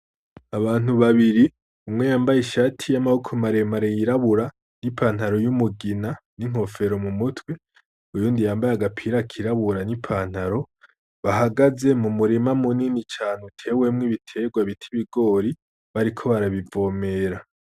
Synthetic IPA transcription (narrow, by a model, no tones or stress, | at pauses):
aβaːn̥uβaβiɾi | umŋe̞jaːmbajiʃatʰijamahukʰomaɾe̞maɾejiɾaβuɾa | nipʰaːn̥haɾo̞jumuɡinaniŋ̥ho̞fe̞ɾo̞mumutwe | ujuːndijaːmbajaɡapʰiɾakʰiɾaβuɾanipʰaːn̥haɾo̞ | βaɦaɡaze̞mumuɾimamuninit͡ʃaːnutʰe̞ːwe̞mŋiβitʰe̞ɡwaβitʰiβiɡo̞ːɾi | βaɾikʰo̞βaɾaβivo̞ːme̞ɾa